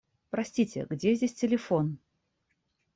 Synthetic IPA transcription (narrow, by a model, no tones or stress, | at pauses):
pɾɐsʲtʲitʲɪ̰ɡdʲezʲdʲesʲtʲɪlʲɪfon